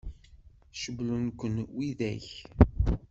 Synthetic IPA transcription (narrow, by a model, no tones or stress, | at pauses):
ʃəblunkʷənwiðæ̰ç